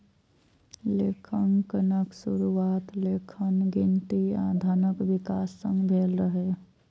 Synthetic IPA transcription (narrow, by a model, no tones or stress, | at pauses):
leːkʰənkənəksʊɾuaːt̪leːkʰənɡɪ̃nt̪ia̰ːd̪ʱaːnəkʋɪkaːsːə̰̃ŋɡbʱeːlɾəɦeː